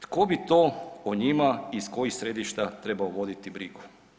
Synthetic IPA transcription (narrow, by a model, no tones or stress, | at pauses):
t̪ko̞bit̪o̞ːoɲimaisko̞jixsɾe̞d̪iʃt̪at̪ɾe̞baoʋo̞d̪it̪ibɾiɡu̥